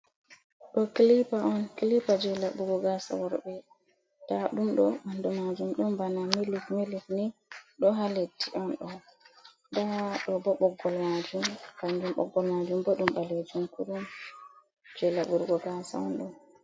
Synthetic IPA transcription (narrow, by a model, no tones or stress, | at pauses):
ɗɔkilipaʔɔnkilipad͡ʒɛlaɓuɾɡɔɡasa̰wɔɾbɛ | d̥aɗumɗɔmandɔmad͡ʒumɗɔmbanamilifmelifniɗɔɦaletʰːiʔɔnɗɔ | ndaɗɔbɔɓɔɡːɔlmad͡ʒumband͡ʒumɓɔ̰ɡːɔlmad͡ʒumbɔɗumbaled͡ʒumkuɗum | d͡ʒɛlaɓuɾɡɔɡasa̰ɔ̰nɗɔ